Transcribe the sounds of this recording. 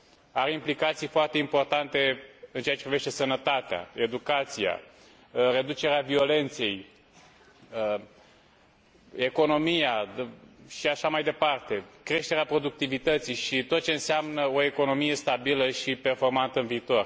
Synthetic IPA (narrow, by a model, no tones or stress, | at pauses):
aɾeimplikat̪sijfoart̪e̞impo̞rt̪ant̪e̞ɨnt͡ʃeat͡ʃepɾiveʃt̪e̞sənət̪at̪ea̰e̞d̪ukat̪sija̰ | re̞d̪ut͡ʃe̞ɾeavio̞le̞nt̪se̞j | e̞ko̞no̞mija | ʃiaʃamajd̪e̞part̪e̞kɾe̞ʃt̪e̞ɾeapɾo̞d̪uk̚t̪ivit̪ət̪sijʃit̪ot̪̚t͡ʃe̞ɨnseamnəo̞e̞ko̞no̞mije̞st̪abiləʃipe̞rfo̞rmant̪əɨnviːt̪o̞r